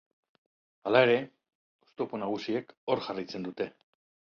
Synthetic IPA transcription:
alae̞ɾe̞ | ost̪uoponaɣ̞usieko̞ɾʝarit͡se̞nd̪ut̪e̞

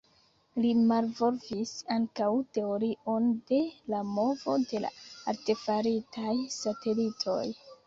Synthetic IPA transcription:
limalvo̞ɾvisaŋkawte̞o̞ɾiʔo̞nde̞lamo̞vo̞de̞la̰a̰ɾte̞faɾitʰajsate̞litʰo̞̰j

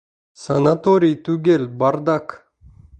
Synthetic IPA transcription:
sɐnat̪oɾʲijt̪uɡʲelʲbard̪ak

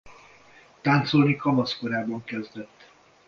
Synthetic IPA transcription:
t̪aːnt̪so̞lnikɒmɒskoɾaːbɒŋkɛzd̪ɛt̪ː

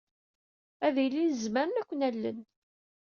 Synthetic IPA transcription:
æðilːinəzməɾənækʷːənælːə̰n

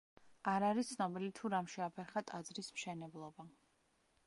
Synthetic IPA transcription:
aɾaɾit̪sʰnɔbilit̪ʰuɾamʃɛapʰɛɾχat̪ʼad̪zɾismʃɛnɛblˠɔba

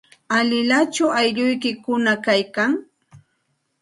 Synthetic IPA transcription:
alɪlat͡ʃʊajʎʊjkɪkʊnakajkaŋ

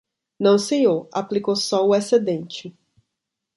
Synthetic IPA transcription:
nɐ̃w̃seɲoɾa̰plikowsɔʊesed̪ẽnt͡ʃɪ

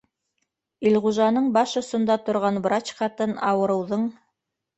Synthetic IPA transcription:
ilʁuʒɑnɤɴbɑʃŏsŏnd̪ɑt̪ŏɾʁɑnbɾat͡ɕχɑt̪ɤnɑwɤ̆ɾɤ̆wðɤɴ

